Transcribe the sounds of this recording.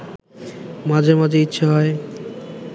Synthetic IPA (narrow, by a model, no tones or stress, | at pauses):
mad͡ʑʱemad͡ʑʱeitːɕʰeɦɔe